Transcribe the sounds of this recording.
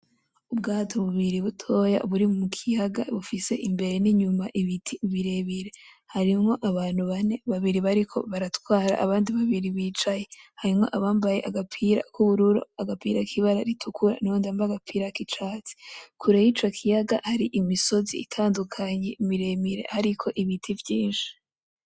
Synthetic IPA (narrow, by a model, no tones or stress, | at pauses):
ubɡaːtʰoβuβiɾiβutʰo̞ja̰ʔuβuɾimumukʰijaɡa̰βufise̞̰ʔimbe̞ɾe̞niɲumaʔiβitʰiβiɾe̞βiɾe̞ | haɾimŋo̞ʔaβaːn̥huβane̞βaβiɾiβaɾikʰo̞̰βaɾatwaːɾa̰ʔaβaːndiβaβiɾiβiːt͡ʃaje̞haɾimŋo̞̰ʔaβaːmbaje̞ʔaɡapʰiɾa̰kuβuɾuɾo̞̰aɡapiɾakʰiβaɾaɾitʰukʰuɾa̰nuoːndiambaɡapʰiɾakit͡ʃaːt͡si̥kʰuɾejit͡ʃo̞kʰijaɡahaɾiʔimiso̞zḭitʰaːndukʰaɲe̞imiɾe̞miɾe̞̰haɾikʰo̞ʔiβitʰivjiːnʃi̥